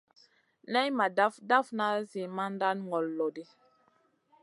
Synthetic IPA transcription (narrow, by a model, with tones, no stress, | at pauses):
nɛ˦jma˨da˦fda˦fna˦zi˨ma˦nda˦nŋɡɔ˨lːɔ˨di˦